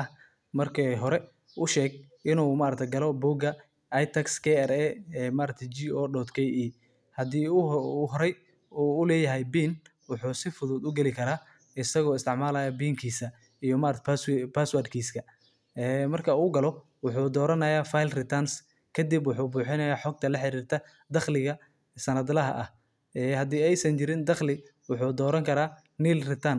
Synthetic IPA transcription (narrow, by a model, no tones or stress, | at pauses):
ɐ | mɐrkʰɛɦɔɾɛ | ʔʊʃɛːɡʔɪnuːmaːɾɐk̚t̪ʰɛjɡɐlɔbuːɡɐ | jt̪ʰɐkskʰɛɛɾɛɛmaːɾɐk̚t̪ʰɛd͡ʒiɔːɖɔt̪kʰɛjiː | hɐd̪iːuɦɔɾɛj | uːʊlɛːjɐɦɛjbiːn | wʊħuːsɪfʊðʊːd̪ʊɡɛlɪkʰɐɾaː | ɪsɐɣɔːɪst̪ʰɪʕmaːlɐːjaːbiːŋkʰiːsɐ | ijɔmaɾt̪paspaːswardkʰiːskʰɐ | ɛːmɐrkʰɐuːɡɐlɔ | wʊħuːd̪ɔːɾɐnɐjaːfajlrɪt̪ʰɐns | kʰɐd̪ibwʊħuːbuːħɪnɐjaːħɔɡ̚t̪ʰɐlɐħɪɾiːrt̪ʰɐ | d̪ɐχlɪɣɐ | sɐnɐd̪lɐɦɐ̰ʔɐh | ɛhɐd̪iːɛjsɐnt͡ʃɪɾɪnd̪ɐχlɪ | wʊħuːd̪ɔːɾɐŋkʰɐɾaː | niːlrɪt̪ʰɐn